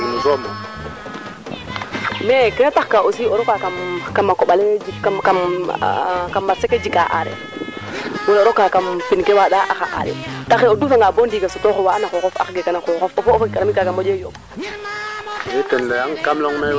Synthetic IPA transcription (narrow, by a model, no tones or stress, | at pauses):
nusomo | mekenataxkaʔosioɾɔkakamkamakoɓaled͡ʒikam | kambaseked͡ʒikːaʔa̰ɾḛ | woloɾɔkakampinkewaɗaʔaxa̰ʔa̰ɾɛ̰taxeodufaŋɡabondiɡasutoxowanaxoxɔfa̰xɡekanaxoxɔfofofkkaɾamikakambod͡ʒejob | jetendajaŋkamloŋme